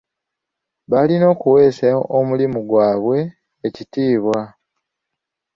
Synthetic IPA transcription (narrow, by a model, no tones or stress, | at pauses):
βalino̞ːkuwe̞ːsaoʔomulimuɡwaːβwe̞ː | citiːβwa